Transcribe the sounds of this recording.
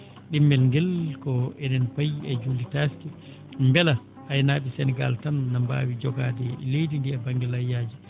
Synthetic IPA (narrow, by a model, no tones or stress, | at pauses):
ɗimːɛlŋɡɛlkɔɛnɛnpajːiɛd͡ʒulitaski | mbɛla | ajnaːɓisɛnɛɡa̰ltanːamba̰ːwid͡ʒɔɡadɛlejdindiɛbaŋɡɛlajaːd͡ʒi